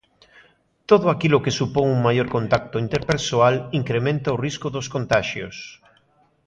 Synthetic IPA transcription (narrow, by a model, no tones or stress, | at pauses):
t̪oðʊakilʊkesupoŋuŋmajoɾkont̪ak̚t̪ʊint̪eɾpeɾsoaliŋkɾemẽnt̪aoriskʊðoskont̪aʃjo̰s